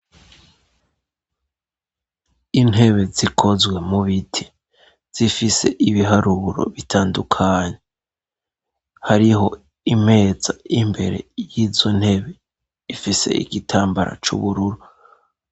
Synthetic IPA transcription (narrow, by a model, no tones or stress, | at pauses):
in̥he̞βe̞zikʰo̞zɡwe̞muβitʰi̥ | z̥ifise̞̰ʔiβiɦaɾuɾo̞̰βitʰaːndukʰaːɲe | haɾiɦo̞ | im̥he̞ːz̥aimbe̞̰ɾe̞̰jizo̞n̥he̞βe̞ | ifise̞̰ḭɡitʰaːmbaɾa̰t͡ʃṵβuɾuɾu